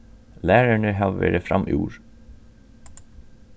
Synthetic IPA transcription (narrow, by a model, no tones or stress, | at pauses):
læːɹæɳəɦɑːʋʋæ̰ːɾəfɾɑ̰mʔḭːṵːɹ